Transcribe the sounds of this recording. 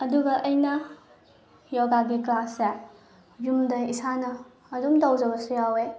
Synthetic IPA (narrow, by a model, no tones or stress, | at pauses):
ɐduɡɐʔɐjnɐ | jɔɡaɡikɾase | jumdɐisanɐː | dumdawd͡ʒɐbɐsujawe